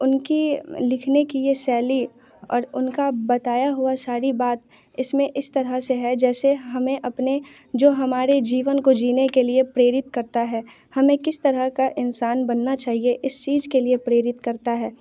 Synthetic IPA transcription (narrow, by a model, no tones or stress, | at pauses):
ʊnkilɪkʰnekijesɛːli | ɔ̰ːɾʊnkabɐt̪aːjaɦʊasaːɾibaːt̪̚ | ɪsmẽʔɪst̪ɐɾəseɦɛd͡ʒɛːseɦɐmẽʔɐpne | d͡ʒoːɦɐmaːɾed͡ʒiːʋənkod͡ʒiːnekeliepɾeːɾɪt̪kɐɾt̪aɦɛː | hɐmẽkɪst̪ɐɾəɦkaʔɪnsaːnbɐnːat͡ʃaːɦieʔɪst͡ʃiːzkeliepɾeːɾɪt̪kɐɾt̪aɦɛː